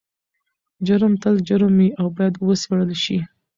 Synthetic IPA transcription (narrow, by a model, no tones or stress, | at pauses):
d͡ʒʊɾəmt̪əld͡ʒʊɾəmiawbɑjad̪wəsaɽəlʃi